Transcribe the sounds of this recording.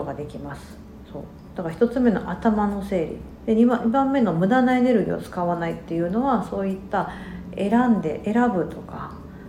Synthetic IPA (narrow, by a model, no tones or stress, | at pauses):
oɡad̪e̞kʲimasɨ̥ | so̞ː | d̪̥akaçi̥t̪o̞t͡sɨme̞no̞̰ʔat̪amano̞se̞ːɾʲḭ | d̪̥e̞ɲ̟ibãmːe̞no̞mɯ̟d̪anae̞ne̞ɾɯ̟ɡʲḭot͡sɨ̥kaβanait̪ːe̞jɯ̟no̞βaso̞ːit̪ːa | e̞ɾãnd̪e̞ʔeɾabɯ̟t̪o̞ka